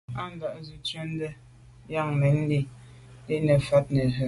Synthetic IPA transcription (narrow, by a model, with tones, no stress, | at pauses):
a˦n̩˦da˨ʔzu˦t͡ʃɛ˦n˦dɛ˦ | ja˦˨ŋmɛ˨n̩˦de˦ | de˦nɛ˨fa˦t̚nə˨ɦə˨